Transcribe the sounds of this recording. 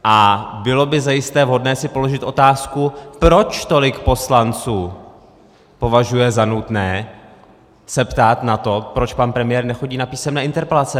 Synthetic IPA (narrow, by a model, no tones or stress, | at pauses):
ʔabɪlo̞bɪzajɪst̪ɛːvɦo̞dnɛːsɪpo̞lo̞ʒɪt̪ʔo̞t̪aːskupɾo̞t͡ʃt̪o̞lɪkpo̞slant͡suː | po̞vaʒujɛzanut̪nɛː | sɛpt̪aːt̪nat̪o̞pɾo̞t͡ʃpanpɾɛmɪjɛːɾnɛxo̞ɟiːnapiːsɛmnɛːʔɪnt̪ɛɾpɛlat͡sɛ